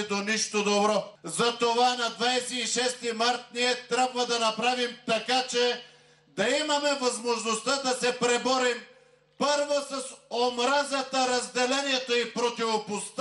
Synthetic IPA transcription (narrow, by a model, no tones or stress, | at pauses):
d̪oniʃt̪od̪obɾɔzɐt̪ovanɐd̪vajsɛːʃɛst̪imaɾt̪̚niɛt̪ɾʲabvɐd̪ɐnɐpɾavimt̪ɐkat͡ʃɛ | d̪ɐimɐmɛvɐzmoʒnost̪ad̪ɐsɛpɾɛbɔɾim | pɤɾvosɐsomɾazɐt̪ɐɾɐzd̪ɛlɛniɛt̪oipɾot̪ivopost̪